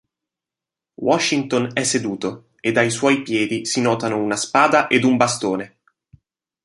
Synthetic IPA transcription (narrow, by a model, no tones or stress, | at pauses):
wɔʃːint̪onɛsːed̪uːt̪o | ed̪ːajswɔjpjɛːd̪isinɔːt̪anounaspaːd̪aʔed̪umbast̪oːne